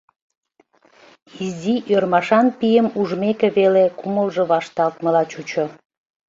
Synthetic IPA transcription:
iziʔørmɑʃɑnpijəmuʒmekĕβelekuməlʒɤ̆βɑʃt̪ɑlt̪məlɑt͡ɕut͡ɕo

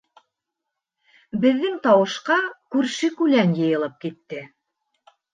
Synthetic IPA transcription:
bɘ̆ðːɘŋt̪ɑwɤ̆ʃqɑkʉɾʃɘkʉlænjɤ̆jɤ̆lˠɤp̚kit̪ːɘ

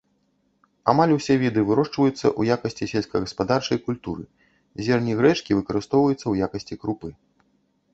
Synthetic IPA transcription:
amalʲusʲɛvʲid̪ɨvɨɾɔʂt͡ʂvɐjut̪sːɐ̰ʔujakɐsʲt͡sʲisʲɛlʲsʲkɐɣɐspad̪art͡ʂɐjkulʲt̪uɾɨ̰ | zʲɛrnʲiɣɾɛt͡ʂkʲivɨkɐɾɨst̪ɔwvɐjut̪sːɐwjakɐsʲt͡sʲikɾupɨ

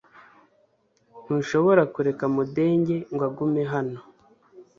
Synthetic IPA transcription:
n̥huːnʃo̞βo̞ɾakuɾe̞kamude̞ːɲɟe̞ŋɡwaɡume̞ɦano̞

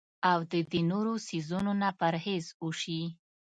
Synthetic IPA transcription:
awd̪əd̪enoɾosizunonapaɾhezuʃi

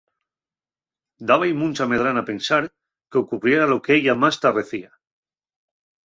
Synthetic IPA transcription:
d̪aβajmũnʲt͡ʃame̞ð̞ɾanape̞nsaɾ | keokuβrje̞ɾalo̞keeʎamast̪are̞θia

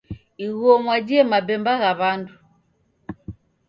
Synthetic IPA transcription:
iɣuɔmwad͡ʒiɛmabɛmbaɣaβandu

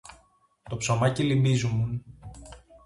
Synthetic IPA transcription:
t̪o̞pso̞mɐcilimbizumun

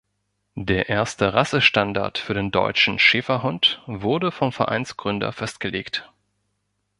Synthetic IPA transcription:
deːɐʔeːɐstəʁasəʃtanda̰ɐtfyːɐdeːndɔ̰ʏt͡ʃn̩ʃɪːfɐɦʊntv̥ʊɐdəfɔmfɛɐʔa̰ɪnsɡ̥ʁʏndɐ̰fɛst̚ɡ̥əleːkt

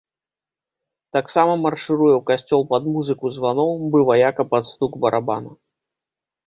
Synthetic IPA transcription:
t̪aksamɐmɐrʂɨɾujɛwkasʲt͡sʲɔlˠpɐd̪muzɨkuzvanɔwbɨvajakɐpɐt̪st̪ukbɐɾʔaba̰nɐ

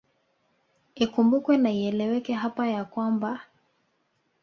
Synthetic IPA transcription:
ikumbukwɛnaiɛlɛwɛkɛɦapajakwamba

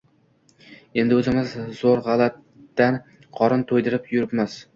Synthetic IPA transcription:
e̞nd̪ɪɵzɪmɪzːoɾʁɑlˠat̪ː | an | qʰɒɾɨnt̪ʰojd̪ɪɾɪpjʊɾɪpmaz̥

